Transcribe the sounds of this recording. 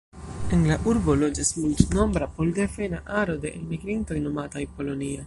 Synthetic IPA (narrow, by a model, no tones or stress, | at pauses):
e̞nlaʔuɾbo̞lo̞d͡ʒasmultno̞mbɾapo̞ldefenaʔaɾo̞de̞ʔelmiɡɾinto̞jno̞matajpo̞lo̞nia